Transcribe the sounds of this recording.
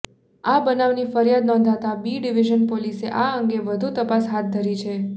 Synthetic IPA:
abənaʋnifəɾjad̪nɔ̃nd̪ʱat̪abiɖiʋiʒənpoliseʔaəŋɡeʋəd̪ʱut̪əpasɦat̪̚d̪ʱəɾit͡ʃʰe

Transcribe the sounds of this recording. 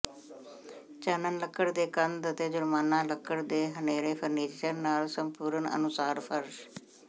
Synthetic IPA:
t͡ʃəːnənləkʰːəɽd̪eːkənd̪ət̪eːd͡ʒʊɾmaːnaːləkʰːəɾd̪eːɦəneːɾeːpʰəɾniːd͡ʒt͡ʃəɾnaːlsəmpuːɾənə̰nʊsaːɾpʰəɾʃ

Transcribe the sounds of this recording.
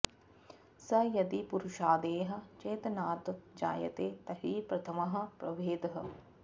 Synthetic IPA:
sɐjɐd̪ipuɾʊʃaːd̪eːɦɐ̆t͡ʃɐːt̪ɐnaːt̪d͡ʒa̰ːjɐ̰t̪eːt̪ɐɦiːpɾɐt̪ʰɐmɐɦɐ̆pɾɐʋeːd̪ɦɐ̆

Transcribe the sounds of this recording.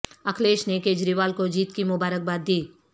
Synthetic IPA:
ɐkʰleːʃnekeːd͡ʒɾiːʋaːlkod͡ʒiːt̪kimʊbaːɾək̚baːd̪ːiː

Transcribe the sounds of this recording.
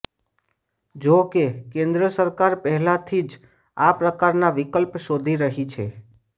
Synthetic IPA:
d͡ʒokekẽnd̪ɾəsəɾkaɾpəɦɛlat̪ʰid͡ʒ | apɾəkaɾnaʋikəlpʃod̪ʱiɾəɦit͡ʃʰḛ

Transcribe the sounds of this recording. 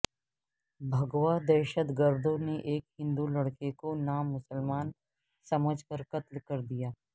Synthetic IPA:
bʱɐɡwad̪ɛːʃət̪ɡəɾd̪ʱõneʔeːkhɪ̃nd̪ulɐɽkekonaːmːʊsəlmaːn | sɐməd͡ʒʱkɐɾkɐt̪lkɐɾd̪ijaː

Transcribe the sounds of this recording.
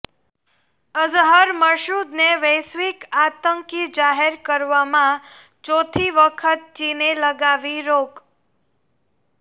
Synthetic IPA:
əzɦəɾməɾʃɾud̪neʋəjsʋikat̪əŋkid͡ʒaɦeɾkəɾʋamã | t͡ʃot̪ʰiʋəkʰət̪̚t͡ʃineləɡaʋiɾoɡ

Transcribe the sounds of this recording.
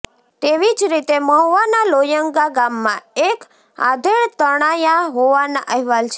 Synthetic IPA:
t̪eʋid͡ʒɾit̪eməɦʋanalojəŋɡaɡamːãek | a̰d̪ʱeɭt̪əɽ̃ajaɦoʋanaʔəɦɛʋalt͡ʃʰ

